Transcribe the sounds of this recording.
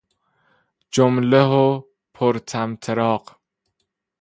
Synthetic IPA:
d͡ʒomleɦo | pʰoɾt̪ʰæmt̪ʰeɾɒːɢ

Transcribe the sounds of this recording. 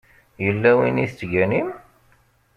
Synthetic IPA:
jəlːæwiniθət͡sːʝænim

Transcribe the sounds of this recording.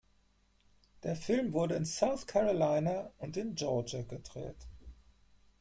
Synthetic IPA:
d̥eːɐfɪlmvʊɐdəɪnsaʊθkʰɛʁolaɪnaʊntɪnd͡ʒɔɐd͡ʒaɡədʁɛ̰ːt

